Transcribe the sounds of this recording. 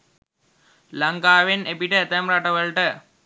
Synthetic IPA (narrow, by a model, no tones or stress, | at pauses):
laŋkaːʋenepiʈəːt̪əmɾaʈəʋəɭʈə